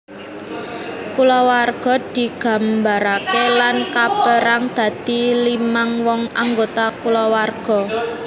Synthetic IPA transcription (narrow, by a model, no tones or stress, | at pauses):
kulɔwarɡ̥ɔ̤d̪̥i̤ɡ̥a̤mbaɾakelankabəɾaŋd̪̥ä̤d̪̥ilimaŋwɔŋaŋɡot̪akulɔwarɡ̥ɔ̤